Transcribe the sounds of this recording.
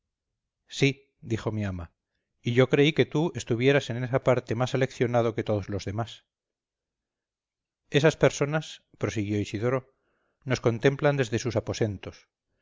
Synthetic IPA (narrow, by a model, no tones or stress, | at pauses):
si | d̪ixo̞miama | iʝo̞kɾe̞ike̞t̪ue̞st̪uβ̞je̞ɾase̞nesapaɾt̪e̞masele̞kθjo̞nað̞o̞ke̞t̪o̞ðo̞zlo̞zðe̞mas | e̞saspe̞ɾso̞nas | pɾo̞siɣ̞jo̞isiðo̞ɾo̞ | no̞sko̞nt̪e̞mpland̪e̞zðe̞susapo̞se̞nt̪o̞s